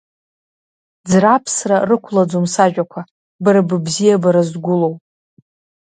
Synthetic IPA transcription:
d͡zrapʰsrarɨkʷʰlad͡zomsaʒᶣʼakʷʰa | bɨɾabɨbzijabaɾazɡʷʊlo̞wpʼ

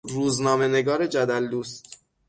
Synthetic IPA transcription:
ɾuːznɒːmene̞ɡɒːɾe̞d͡ʒæd̪æld̪uːst̪

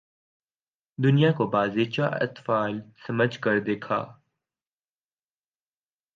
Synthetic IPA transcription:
d̪ʊnijakobaːzeːt͡ʃaʔɐ̰t̪faːlsɐməd͡ʒʱkəɾd̪eːkʰa̰ː

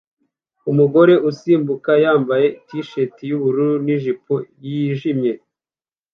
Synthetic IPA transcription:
umuɡo̞ɾe̞ʔusiːmbukajaːmbaje̞itiʃetijuβuɾuniʒipujiʒimɲe̞

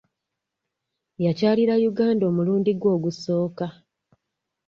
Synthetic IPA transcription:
jacaːliɾajuɡaːndo̞ːmuluːndiɡwo̞ːɡuso̞ːka

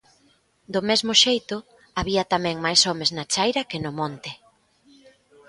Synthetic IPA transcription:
d̪ʊmezmʊʃejt̪ʊ | aβiɐt̪amɛ̃ŋmajsɔmeznat͡ʃajɾɐkɪnʊmɔnt̪ɪ

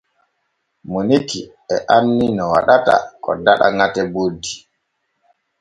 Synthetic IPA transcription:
moniti | ɛʔanːinɔwa̰ɗata̰kɔ̰daɗa̰ŋatɛbodːi

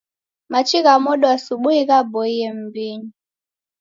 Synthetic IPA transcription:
mat͡ʃiɣamɔɗɔasuɓuiɣabɔijɛm̩biɲi

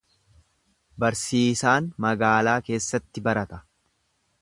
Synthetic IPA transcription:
bɐɾsiːsaːnmɐɡaːlaːke̞ːsːɐt̪ːɪbɐɾɐt̪ɐ̥

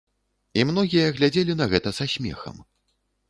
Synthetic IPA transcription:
imnɔɣʲijɐɣlʲad͡zʲelʲinɐɣɛt̪ɐzasʲmʲɛ̰xɐ̰m

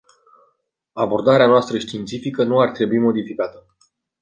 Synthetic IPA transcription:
abo̞rd̪aɾeanoast̪ɾəʃt̪int̪sifikənuart̪ɾe̞buimo̞d̪ifikat̪ə

